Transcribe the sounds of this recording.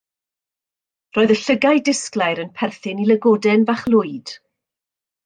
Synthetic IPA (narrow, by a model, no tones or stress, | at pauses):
roːɨðəɬəɡajdɪsklˠajɾənpʰɛrθɪnilˠəɡɔdɛnvaχlˠʊɨd̥